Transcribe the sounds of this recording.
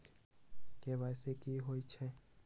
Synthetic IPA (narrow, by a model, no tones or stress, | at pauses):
kebasekiɦoit͡ʃʰɛ